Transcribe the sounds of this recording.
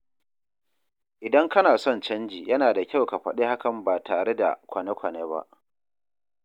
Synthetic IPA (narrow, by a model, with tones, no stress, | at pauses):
ʔɪ˨dɐ˦ŋkɐ˦naː˨sɔ˦˨nt͡ʃɐ˦nd͡ʒiː˨jɐ˦naː˨da˨kʲa˦wka˨ɸɐ˦ɗe˦ha˦kɐ˨mbaː˨tʰaː˨ɽe˦da̰˨kʷɐ˨ne˦kʷɐ˨neː˦ba̰˦ʔ